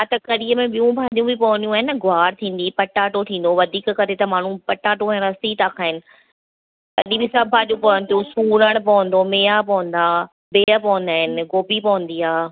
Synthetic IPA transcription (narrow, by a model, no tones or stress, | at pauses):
at̪ɐkɐɾiːəmẽɓijũbʱaːɗijũbʱipɐʋə̃nd̪ijũaːɦɪnəɡʊaːɾt̪ʰĩːn̆d̪iːpɐʈaːʈot̪ʰĩːnd̪oʋɐd̪ʱiːkkɐɾet̪ɐmaːɳ̤ũpɐʈaːʈoɐ̃ɾasiːt̪aːkʰaːɦɪnɪ̆ | t̪ɐ̰ɗĩbisɐbʱbʱaːɗjũpɐʋə̃nt̪ijũsuːɾəɽ̃pɐʋə̃n̆d̪omeːapɐʋə̃nd̪aː | beːəpɐʋə̃nd̪aːɦɪnɪɡoːbipɐʋə̃nd̪iːaː